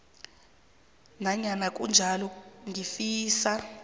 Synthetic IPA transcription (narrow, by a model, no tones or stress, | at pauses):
naɲanak̬ʼund͡ʒʱalɔŋɡifiːsa